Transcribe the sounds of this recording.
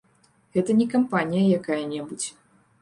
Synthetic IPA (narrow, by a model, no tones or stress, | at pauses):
ɣɛt̪ɐnʲɛkampanʲijɐjakajɐnʲɛbut͡sʲ